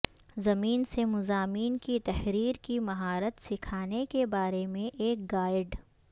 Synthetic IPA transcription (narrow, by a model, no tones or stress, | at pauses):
zɐmiːnsemʊzaːmiːnkit̪ɐɦɾiːɾkimɐɦaːɾət̪sɪkʰaːnekebaːɾemẽʔeːk̚ɡaːɪɖ